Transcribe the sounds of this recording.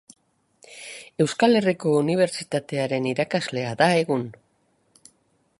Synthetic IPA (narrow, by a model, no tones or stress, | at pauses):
e̞wskale̞riko̞uniβ̞e̞ɾt͡ʃit̪at̪e̞aɾe̞niɾakazle̞aðae̞ɣun